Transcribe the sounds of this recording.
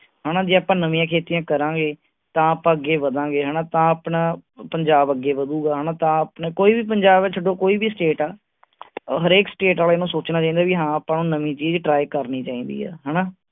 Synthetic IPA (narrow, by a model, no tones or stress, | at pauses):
ɦɛːnaːd͡ʒɪaːpãːnəmĩjãːkʰeːt̪ijãːkəɾãːɡeː | t̪ãːaːpãːəɡeːʋəd̪ãːɡeːɦɛːnãːt̪ãːəpnãːpəɲd͡ʒaːbəɡːeːʋəd̪uːɡaːɦənãːt̪ãːəpɳeːkoːiːbiːp̬əɲd͡ʒaːbt͡ʃʰəɖõːkoːiːbiːsʈeːʈaː | ɦəɾeːksʈeːʈaːlaɪnũːsoːt͡ʃnaːt͡ʃaːĩːnd̪aːʋiːɦãːəpãːnũːnəmĩːt͡ʃiːd͡ʒʈɾaːjkəɾniːt͡ʃaːĩːnd̪ḭːɛ̰ːɦɛːnaː